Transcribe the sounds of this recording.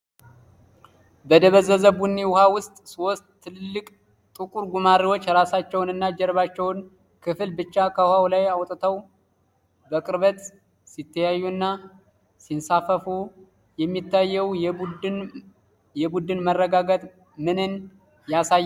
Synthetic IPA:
bəd̪əβəzəzəbunːiwʊhawʊst̪ʼsost̪ʼːʰɨlɨlːɨkʼ | t̪ʼɨkʼuɾɡumaɾiwo̞t͡ʃːɾasat͡ʃːɛwnɨnːad͡ʒɛɾβat͡ʃːɛwn | kʰɨfɨlbɨt͡ʃːakʰəwhawlajawt̪ʼt̪ʰəw | bəkʼɨɾβət̪ | sit̪ʰːəjajːuɨnːa | sinsafəfu | jɛmːit̪ʰːajːɛw | jɛbud̪ɨnmərːəɡaɡət̪ | mɨnɨn | jasajː

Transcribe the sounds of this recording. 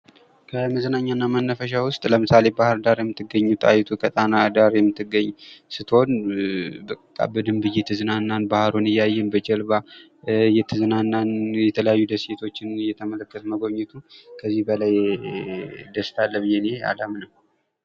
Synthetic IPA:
kʰəməzənaɲːanːamənːəfəʃ̬awʊst̪ʼləmɨsale̞bahɨɾd̪aɾjɛmːɨt̪ʰːɨɡːəɲːut̪ʼa̰jɪt̪ʰukʰət̪ʼanad̪aɾjɛmːɨt̪ːɨɡːəɲːsɨt̪ʰho̞n | bəkʼːa̰bəd̪ɨmbɨjet̪ʰɨzɨnanːanbahɾonɨjajːɛnbəd͡ʒɛlba | jɛt̪ʰɨzɨnanːanjɛt̪ʰələjajːud̪əset̪ʰo̞t͡ʃːɪnjɛt̪ʰəmələkːət̪məɡo̞ɲːɛt̪ʰukʰəzːihbəlaj | d̪əst̪ʰalːəβɨjenea̰ləmnəw

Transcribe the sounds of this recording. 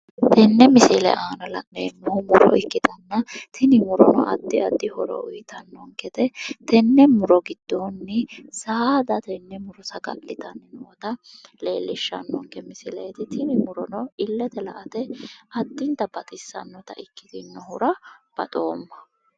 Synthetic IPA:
t̪ʰɛnːɛmɪsɪlɛ̰ʔaːnɐlɐnneːnːɔhʊmʊɾɔ̰ɪkːɪt̪ɐnːɐt̪ʰɪnɪmʊɾɔnɔ̰ʔɐ̰d̪ːɪɐd̪ːɪhɔɾɔ̰ʊjt̪ɐnːɔŋkɛt̪ɛt̪ɛnːɛmʊɾɔɡɪd̪̥ːonːɪsaːd̪ɐt̪ɛnːɛmʊɾɔsɐɡɐ̰lːɪt̪ɐnːɪnoɔt̪ɐleːlːɪʃːɐ̰nːɔŋkɛmɪsɪlɛjt̪ɪt̪ɪnɪmʊɾɔnɔɪlːɛt̪ɛlɐʔɐt̪ɛɐd̪ːɪnt̪ːɐbɐt̪ʼɪsːɐ̰nːɔt̪ɐ̰ʔɪkːɪ̥t̪ɪnːɔhʊɾɐb̥ɐt̪ʼo̞ːmːɐ̥

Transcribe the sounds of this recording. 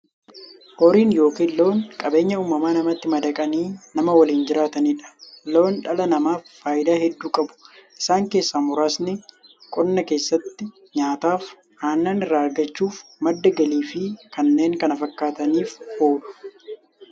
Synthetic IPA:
hoɾiːnjo̞ːkiːlːo̞ːŋkʼɐbe̞ːɲːɐuːmɐmaːnɐmɐt̪ːɪmɐd̪ɐkʼɐniːnɐmɐwɐliːnd͡ʒɪɾaːt̪ɐniːᶑɐ̥lo̞ːnᶑɐlɐnɐmaːfːaːjɪd̪aːhɛd̪ːuːkʼɐbʊ̥ʔɪsaːŋke̞ːsːaːmʊɾaːsnɪkʼɔnːɐke̞ːsːɐt̪ːɪ | ɲaːt̪aːf | haːnːaːnɪrːaːɐɾɡɐt͡ʃːuːfmɐd̪ːɐɡɐliːfɪkɐnːe̞ːŋkɐnɐfɐkːaːt̪ɐniːfhoːᶑʊ̥

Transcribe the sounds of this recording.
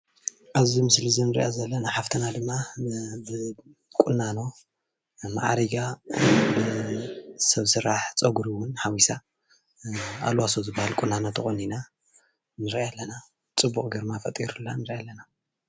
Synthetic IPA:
ʔaβzimɨslizinɨɾḭʔazɐlːɐnaħaft̪ʰɐnad̪ɨmːabɨ | kʼunːano̞ | ma̰ʕaɾiɡabɨ | sɐβsɨɾaħt͡sʼɐɡuɾiwʊnħawisa | a̰lwasozɨbːahalkʼunːanot̪ʰɨxʼonina | nɨɾaalːɐna | t͡sʼɨbːukʼɡɐɾmafɐt̪ʼiɾulːanɨɾʔalːɐna

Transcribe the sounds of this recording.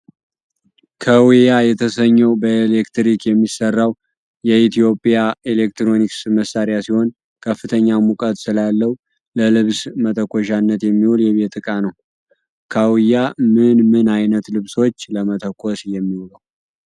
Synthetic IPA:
kʰəwijajɛt̪ʰəsəɲːəwbəelekt̪ɾikjɛmːisərːaw | jɛit̪ʰjo̞pʼjaelek̚t̪ɾo̞niksməsːaɾjasiho̞n | kʰəfːɨt̪ʰəɲːamukʼət̪ʼsɨlalːəw | ləlɨβsmət̪ʰəkʷːoʃanːət̪jɛmːihuljɛβe̞t̪ʰɨkʼanəw | kʰawijamɨnmɨnajnət̪lɨβso̞t͡ʃːləmət̪ʰəkʷʰosjɛmːihuləw

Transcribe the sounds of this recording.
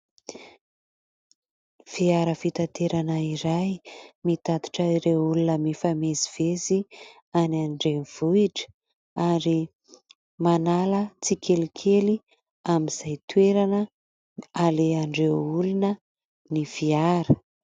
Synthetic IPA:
fiaɾəfit̪at̪eɾanəiɾajmit̪at̪u̥ʈ͡ʂəiɾewulunəmifameziv̥ezi | anaɳɖ͡ʐenv̥uiʈ͡ʂə̥ | aɾi | manalət͡sikʰelikʰeli | amiz̥ajt̪weɾanə | aleaɳɖ͡ʐewulunə | nifiaɾə̥

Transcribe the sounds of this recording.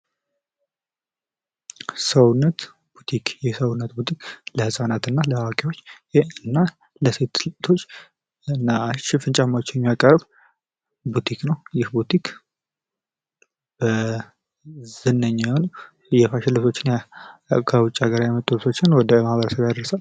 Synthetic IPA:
səwnːət̪ | b̥ut̪ʰikʰjɛsəwʊnːət̪̚but̪ʰikləhɨsʼanat̪ɨnːaləhawakʼewo̞t͡ʃːjɨnːa | ləse̞t̪t̪ʰo̞t͡ʃː | ɨnːaʃɪfɨnt͡ʃʼamaot͡ʃːɛwjɛmjakʼːərːəb | but̪ʰiknəwjɪhbut̪ʰikʰ | b | zɨnːəɲːajɛhonu | jɛfaʃɪlːɨso̞t͡ʃːɪnj | kʰəwʊt͡ʃʼːaɡəɾajɛmət̪ʼulɨsʰo̞t͡ʃːɪnwɔd̪əmahβəɾəsəβjad̪əɾəsal

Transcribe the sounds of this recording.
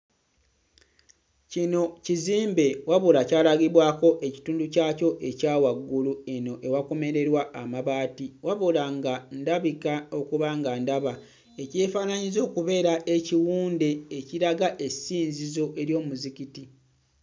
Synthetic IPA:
cino̞ciziːmbe̞waβulacaːlaɡiβwaːko̞ʔe̞ci̥tuːnducaːco̞ʔe̞caːwaɡːulue̞no̞ʔe̞wako̞me̞ɾe̞ɾwaːmaβaːtiwaβulaŋɡandaβikao̞kuβaːŋɡandaβa | ece̞ːfaːnaɲizo̞ːkuβe̞ːɾaʔeciwuːnde̞ːciɾaɡaʔe̞siːnzizo̞ʔe̞ɾjo̞ːmuzikiti

